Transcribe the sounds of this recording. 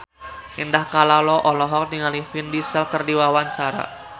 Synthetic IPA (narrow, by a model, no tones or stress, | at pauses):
ʔindahkalalɔʔɔlɔɦɔk̚niŋalifindisəlkərdiwawaɲt͡ʃaɾa̰